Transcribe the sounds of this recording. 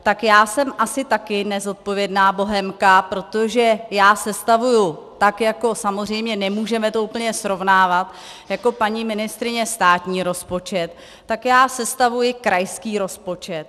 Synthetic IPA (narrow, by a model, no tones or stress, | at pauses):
t̪akjaːsɛmʔasɪt̪akɪnɛzo̞t̪̚po̞vjɛdnaːbo̞ɦɛmkapɾo̞t̪oʒɛjaːsɛst̪avujʊt̪akjako̞samozr̝ɛjmɲɛnɛmuːʒɛmɛt̪o̞uːpl̩ɲɛsɾo̞vnaːvat̪ | jako̞paɲiːmɪnɪst̪ɾɪɲɛst̪aːt̪ɲiːɾo̞spo̞t͡ʃɛt̪ː | akjaːsɛst̪avujɪkɾajskiːɾo̞spo̞t͡ʃɛt̪̚